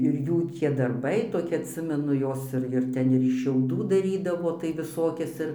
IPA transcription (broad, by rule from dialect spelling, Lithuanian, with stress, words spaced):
ɪr ˈjuː tʲiɛ dɐrˈbɐɪ toːˈkʲɪ ɐtʲˈsʲɪmʲɛnʊ ˈjoːs ɪr ɪr ˈtʲɛn ɪr ɪʃ ʃʲɛʊˈduː dɐˈrʲiːdɐʋoː tɐɪ ʋʲɪˈsoːkʲɛs ˈɪr